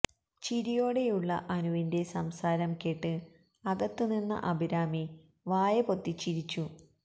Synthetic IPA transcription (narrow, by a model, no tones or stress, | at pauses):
t͡ɕiɾijo̞ːɽe̞juɭːɐ̰ʔɐnuʋinde̞sɐmsaːɾɐmkeʈːɨ | ɐɡɐt̪ːuninːɐ̰ʔɐbʱiɾaːmi | ʋaːjɐpo̞t̪ːit͡ɕːiɾit͡ɕːu